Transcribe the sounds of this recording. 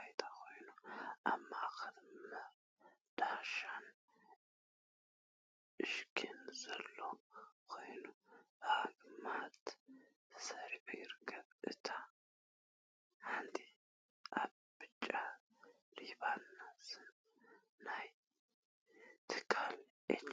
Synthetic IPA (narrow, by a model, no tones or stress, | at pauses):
ajt̪ʰʼakʰo̞jnoʔamːakəd̪mə | d̪̥aʃan | ʔɨʃkʰenzəlːokʰojnobəaɡmat̪ | səɾibəjɪɾɡʰəβɨt̪ʰa | hand̪i | ʔa | bɨt͡ʃʼːa | ɾiβanːasɨnː | aj | t̪ʰɨ̥kʰal | ʔe